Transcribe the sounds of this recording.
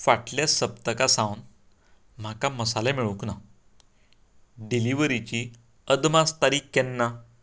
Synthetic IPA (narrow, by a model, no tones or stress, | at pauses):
faʈljasəb̚t̪əkasãwn | m̤akaməsalemiɭukna | ɖiliʋɾit͡ɕi | əd̪mast̪aɾiːkːɛnːa